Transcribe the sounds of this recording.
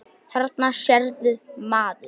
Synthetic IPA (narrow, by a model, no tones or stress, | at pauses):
θaɾt̪naʃjɛɾðʏmaːðʏ